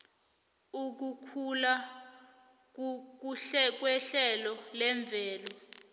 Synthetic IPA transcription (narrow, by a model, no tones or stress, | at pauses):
uk̬ukʰula | k̬uk̬uɬɛk̬wɛɬɛlɔlɛɱb̪vʱɛːlɔ